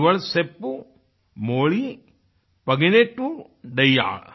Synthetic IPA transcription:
ʋɐɭsepːu | moːɭi | pɐɡineʈːu | ɖɐjːa̰ː

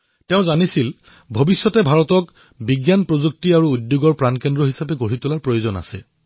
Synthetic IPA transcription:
teʊ̃zanisil | bʱobisːɔtɛbʱaɹɔtɔk | biɡjanpɹozuk̚tiaɹuːdjuɡɔɹpɹankɛndɹɔɦisapɛɡoɹitʊlaɹpɹojozɔna̰sɛ̰

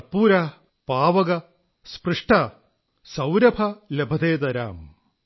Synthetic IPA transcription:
pːuːɾaː | paːʋɐɡɐ | sprɨʂʈʰaː | sɐwɾɐbʰʱɐlebʱɐd̪eːd̪ɐɾa̰ːm

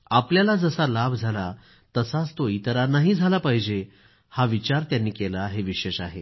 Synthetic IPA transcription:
apljalad͡zəsalabʱd͡zʱala | t̪əsat͡st̪oit̪əɾanaɦid͡zʱalapəɦjd͡ʑe | haʋit͡ɕaɾt̪janːiːkelaɦeʋiɕeɕaɦḛ

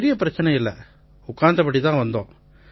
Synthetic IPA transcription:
ɾɪjɐpɪɾɐt͡ʃːɐnɐɪlːɐ̰ | ʊkːaːnd̪ɐpɐʈːit̪ãːʋɐnd̪õ̰ː

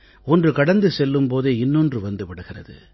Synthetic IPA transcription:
ɔndrɯkɐɽɐnd̪ɯsɛlːɯmpoːðeːɪnːɔndrɯʋɐnd̪ɯʋɪɽɯɣɪrɐ̰ðɯ̰

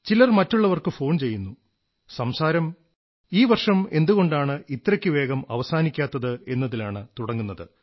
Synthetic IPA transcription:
t͡ɕilɐrmɐtːuɭːɐʋɐrkɨfo̞ːɳt͡ɕe̞jːunːu | sɐmsaːɾɐm | iːʋɐrʂɐme̞nd̪uɣo̞ɳɖaːɳɨit̪rɐkʲːɨʋe̞ːɣɐmɐ̰ʋɐsaːnikʲːaːt̪ːɐðɨe̞nːɐðilaːɳɨt̪uɽɐŋːunːɐðɨ

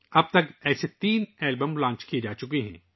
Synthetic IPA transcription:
ɐb̚t̪ɐkɛːset̪iːnɛːlbəmlãːt͡ʃkied͡ʒaːt͡ʃʊkeɦɛ̰̃ː

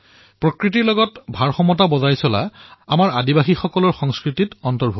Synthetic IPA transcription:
pɹɔkɹitiɹlɔɡɔtbʱaɹxɔmɔt̬abɔzajsɔla̰amaɹadibaxixɔkɔlɔɹxɔŋskɹititɔntɔɹbʱu

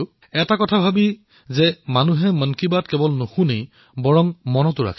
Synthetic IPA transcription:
ɛtakɔtʰabʱabi | zɛmanuɦɛmənkibatkɛbɔlnohũnej | bɔɹɔŋmɔnɔtʊɹa̰kʰ

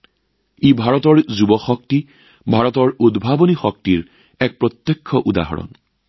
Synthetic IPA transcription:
ebʱaɹɔtɔɹzubɔxɔk̚ti | bʱaɹɔtɔɹudbʱabonixɔk̚tiɹ | ɛk̚pɹɔt̪jɛkʰːɔʔuda̰ɦɔ̰ɹɔ̰n

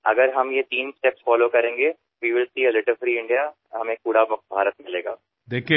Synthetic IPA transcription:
ɐ̰ɡəɾɦɐmjet̪iːnsʈepsfɔːlokɐɾẽːŋɡeː | ʋiːʋɪlsiːəlɪʈəfɾiːɪ̃ɳɖija | ɦɐmẽːkuːɽabɐkbʱaːɾət̪mɪleːɡa̰ː | d̪eːkʰi

